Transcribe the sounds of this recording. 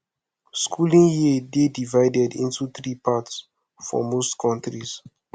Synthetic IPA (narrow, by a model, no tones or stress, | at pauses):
skʰulĩŋjidedivaɪdɛdḭ̃ntut̪ɾipʰats | fɔ̰mostkʰɔ̃ntɹis